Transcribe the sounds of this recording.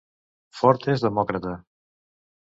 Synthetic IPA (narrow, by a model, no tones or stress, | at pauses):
fɔɾt̪ezðəmɔkɾat̪a